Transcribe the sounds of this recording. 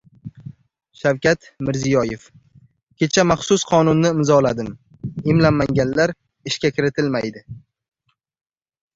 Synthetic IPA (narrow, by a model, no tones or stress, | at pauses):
ʃawkʲat̪ | mɪɾzijɒje̞f | kʲe̞t͡ʃʰamaχsʊsqʰɒnʊnːɪɪmzɒlad̪ɪm | ɪmlamːaŋʲanlaɾ | ɪʃkʲakʲɪɾɪt̪ʰɪlmajd̪ɪ